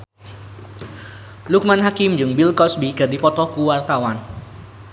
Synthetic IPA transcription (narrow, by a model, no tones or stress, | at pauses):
luk̚manɦakɪmd͡ʒɨŋbilkɔsbikədipɔt̪ɔkuwart̪awan